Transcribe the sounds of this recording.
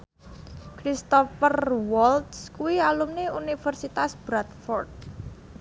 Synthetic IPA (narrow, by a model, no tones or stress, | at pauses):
kɾist̪ɔfərwɔlt̪skuwialumneunifərsit̪asb̥ɾat̪̚fɔrt̪̚